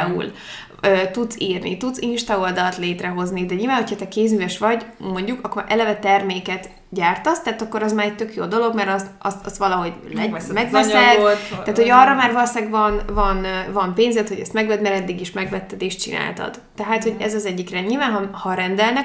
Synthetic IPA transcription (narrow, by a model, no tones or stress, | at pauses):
ṵl | øːt̪ut̪siːrnḭt̪ud̪t̪sinʃt̪ɒold̪ɒlɒt̪leːt̪rɛɦo̞znid̪ɛɲilvaːnɦo̞cʰhɒt̪ɛkeːzyjɛʃʋɒɟmo̞ɲɟukɒkːoɾʔɛlɛvɛt̪ɛrmeːkɛt̪ | ɟaːrt̪ɒst̪ɛɦːt̪ɒkːo̞ɾɒzmaːɾɛc̚t̪økjo̰ːd̪o̞lo̞ɡmɛɾɒzɒst̪ɒst̪ʋɒlɒɦo̞ɟlɛmɛɡvɛsɛt̪t̪aːt̪ho̞ɒrːɒmaːrvɒlosaːɡvɒnvɒnvɒmpeːɲzɛt̪ho̞ɟɛ̰st̪mɛɡvɛd̪mɛɾɛd̪ːiɡiʃmɛɡvɛt̪ːɛd̪eːʃt̚t͡ʃḭna̰ːlt̪ɒ̰d̪̥ːɛɦaːt̪hoɟɛzɒzɛɟːikrɛɲilvaːnɦɒhɒɾɛnd̪ɛlnɛ